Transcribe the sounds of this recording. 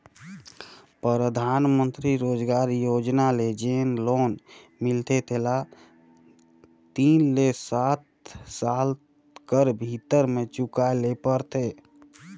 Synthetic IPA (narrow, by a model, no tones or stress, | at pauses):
pɾəɾəd̪ʱaːnmənt̪ɾiɾoːd͡ʒɡaɾjoːd͡ʒnaled͡ʒeːnloːnmɪlt̪et̪ʰela | t̪iːnlesaːt̪sal | kəɾbʱit̪əɾmẽt͡ʃʊkalepəɾt̪ʰe